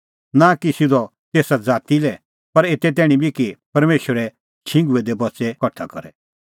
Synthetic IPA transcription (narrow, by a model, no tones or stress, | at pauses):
nãkisɪd̪ɔ | t̪eːsad͡zaːt̪ilɛ | pɐɾeːt̪ɛt̪ɛːɽ̃ĩbʱikipɐɾmeːʃwəɾɛ | t͡ʃʰɪ̃ŋɡuɛd̪ɛbɔtsɛkɐʈʰːakɔɾɛ